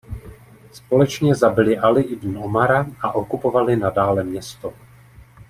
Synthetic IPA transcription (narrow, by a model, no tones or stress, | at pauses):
spo̞lɛt͡ʃɲɛzabɪlɪʔalɪʔɪdnn̩omaɾaʔaʔo̞kupo̞valɪnadaːlɛmɲɛst̪o̞